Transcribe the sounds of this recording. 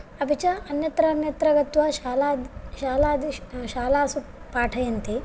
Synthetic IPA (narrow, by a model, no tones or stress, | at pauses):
ɐbʱit͡ʃɐɐnjɐt̪ɾɐːnjɐt̪ɾɐɡɐt̪ʋɐʃaːlaːd̪ʃaːlaːd̪iʃaːlaːsupaːʈʰɐjɐnt̪i